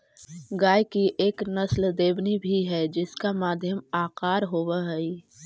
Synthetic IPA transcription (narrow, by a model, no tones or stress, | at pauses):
ɡaːjkiʔeːknɐsld̪eːbnibʱiɦɛd͡ʒɪskamaːd̪ʱjəmaːqaːɾɦoːwaɦɛi